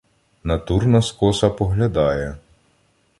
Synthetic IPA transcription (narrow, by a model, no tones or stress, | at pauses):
nɐt̪urnɐskɔsɐpɔɦlʲɐd̪ɑjɛ